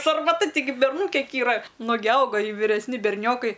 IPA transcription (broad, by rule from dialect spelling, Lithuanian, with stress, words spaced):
sɐrmɐˈtɐ tʲɪˈɡʲɪ bʲɛrˈnuː ˈkʲiɛk iːˈrɐ ˈnʊɡʲɪ ˈɐʊɡɐ ɪ ʋʲɪrʲɛsʲˈnʲɪ bʲɛrʲˈnʲoːkɐɪ